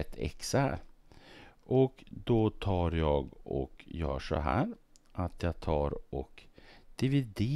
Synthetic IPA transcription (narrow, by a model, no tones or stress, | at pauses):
ɛt̪ʰːɛ̰ksaɾ | ʔɔkd̪ɔt̪ʰɑːɾjɑːɡɔ̰kjœ̰ːʂɔ̰ɦæ̰ːɾ | ʔat̪ʰjɑːɡt̪ʰɑːɾɔkd̪̥ɪvɪd̪e